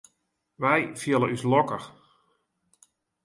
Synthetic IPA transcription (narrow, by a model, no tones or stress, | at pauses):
ʋɛjfjɪlˠəʔyslɔkəx